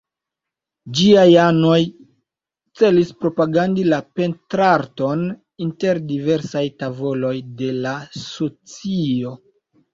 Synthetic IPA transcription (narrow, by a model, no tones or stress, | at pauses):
d͡ʒiajano̞j | t͡se̞lispɾo̞paɡandilape̞ntɾaɾto̞n | inte̞ɾdive̞ɾsajtavo̞lo̞jde̞lasot͡sio̞